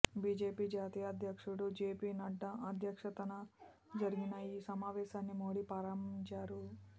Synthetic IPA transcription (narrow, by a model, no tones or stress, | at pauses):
biːd͡ʒeːpiːd͡ʒaːt̪iːjɐːd̪ʱjɐkʂuɽud͡ʒeːpiːnɐɖːɐɐd̪ʱjɐkʂɐt̪ɐnɐ | d͡ʒɐɾiɡinɐiːsɐmaːʋɛːʃaːnːimoːɽipaːɾɐmt͡ʃaːɾu